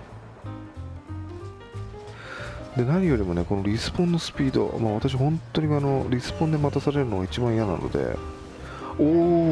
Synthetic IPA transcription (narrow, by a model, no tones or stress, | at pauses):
d̪e̞naɲ̟ʲijo̞ɾʲimo̞ne̞ko̞no̞ɾʲisɨ̥põ̞nːo̞sɨ̥pʲiːd̪o̞̰maːβ̞at̪aɕ̬ihõ̞nt̪ːo̞ɲ̟iano̞ɾʲisɨ̥põnd̪e̞mat̪asaɾe̞ɾɯno̞ɡait͡ɕibãɰ̃ijana̰nʔo̰d̪e̞̰ | oː